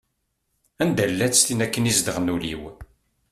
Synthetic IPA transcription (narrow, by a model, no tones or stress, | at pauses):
ænd̪ælːæt͡sːt̪inækːənizd̪əʁnulḭw